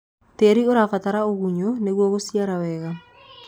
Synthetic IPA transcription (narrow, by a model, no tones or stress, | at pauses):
teɾioɾafataɾaoɣuɲoneɣwɔɣosjaɾawɛɣa